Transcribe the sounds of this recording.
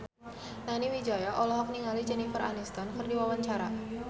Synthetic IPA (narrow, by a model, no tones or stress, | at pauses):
naniwid͡ʒajaʔɔlɔɦɔk̚niŋalid͡ʒɛnifəra̰nist̪ɔnkərdiwawaɲt͡ʃaɾa